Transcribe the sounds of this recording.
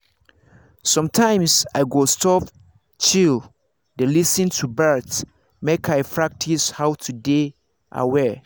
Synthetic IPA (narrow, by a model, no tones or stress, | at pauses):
sɔ̃mtʰãɪ̃msaɪɡostʰɔp | t͡ʃil | delisɨ̃ntʰubɜt | mekʰaɪpʰɹak̚tʰishaʊtʰude | ʔa̰wɛ